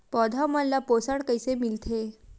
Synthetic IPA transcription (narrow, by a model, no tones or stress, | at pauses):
pɔd̪ʱaməlːaposaɽkəjsemilt̪ʰe